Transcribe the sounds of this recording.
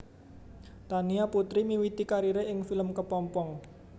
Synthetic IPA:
t̪aniaput̪ɾimiwit̪ikaɾiɾeʔɪŋfiləmkəpɔmpɔŋ

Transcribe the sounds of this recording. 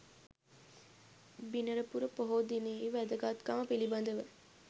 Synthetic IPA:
binəɾəpuɾəpoɦod̪ineiʋæd̪əɡat̪kaməpiliband̪əʋə

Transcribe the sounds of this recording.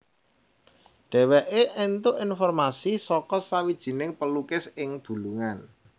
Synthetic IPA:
ɖ̥ɛ̤wɛʔeʔɛnt̪ʊʔinfɔrmasisɔkɔsawid̥ʒ̥i̤nɪŋpəlukɪsɪŋb̥ṳluŋan

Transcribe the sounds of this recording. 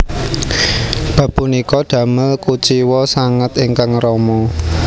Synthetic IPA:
b̥a̤punikɔd̪̥ä̤məlkut͡ʃiwɔsaŋət̪iŋkaŋrɔmɔ

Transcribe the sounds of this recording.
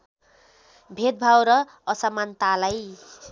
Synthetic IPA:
bʱed̪̚bʱawɾʌ | ʌsamant̪alaj

